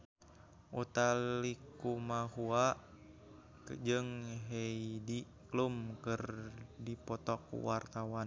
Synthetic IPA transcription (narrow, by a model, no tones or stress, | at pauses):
ʔut̪alikumahua | d͡ʒɨŋɦeidi | klumkɨrdipɔt̪ɔk̚ṵwart̪awan